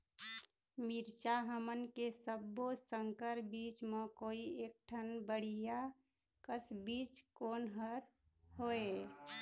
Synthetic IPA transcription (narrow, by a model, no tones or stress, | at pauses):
miɾt͡ʃaɦəmənkesəbːosəŋkəɾbiːt͡ʃmẽkoːieːk̚ʈʰənbəɽ̤ija | kəsbiːt͡ʃkoːnɦəɾ | ɦoe